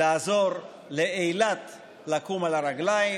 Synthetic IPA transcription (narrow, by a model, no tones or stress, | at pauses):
aːzo̞ʁ | leejlat̪ | lakumalaʁaɡlai